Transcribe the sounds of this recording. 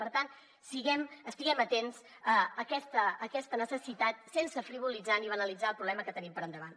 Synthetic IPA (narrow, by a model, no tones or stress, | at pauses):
pəɾt̪an | siɣɛməst̪iɣɛmət̪ens | əəkɛst̪əːkɛst̪ənəsəsit̪at̪̚sensəfɾiβ̞ulid͡zaniβənəlid͡zaəlˠpɾuβlɛməkət̪ənimpəɾənd̪əβan